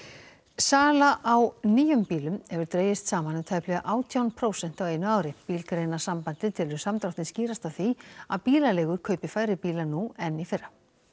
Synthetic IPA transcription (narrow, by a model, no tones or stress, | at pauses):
saːlaʔawniːjʏmpiːlʏmɛvʏɾt̪ɾeːjɪst̪saːmanʏt̪ʰaːjplɛɣa̰ʔaːwt̪ʰjawnpʰɾoːwsɛn̥t̪awejnʏaːwɾɪpiːlkɾejnḁsampant̪ɪt̪ʰɪlʏ̥samt̪ɾawht̪ɪnsciːɾast̪aθiaðpiːlalɛːɣʏɾ̥kʰœːɥpɪfaːjɾɪpiːlanuɛnːifɪra